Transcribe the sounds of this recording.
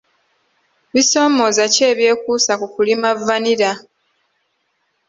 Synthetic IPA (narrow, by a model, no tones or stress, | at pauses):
βiso̞ːmo̞zace̞ːβje̞ːkuːsakukulimavaniɾa